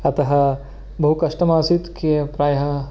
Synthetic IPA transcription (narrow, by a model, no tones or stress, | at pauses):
ɐt̪ɐɦɐ̆ | bɐɦukɐʃʈɐmaːsit̪kepɾaːjɐɦɐ